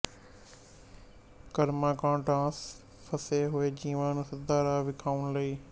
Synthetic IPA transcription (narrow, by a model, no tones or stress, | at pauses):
kɐɾmãːkãːʈãːs | pʰəseɦʊeːd͡ʒĩːʋãːnũsɐd̪aːɾaːʋɪkʰaːʊnlɐiː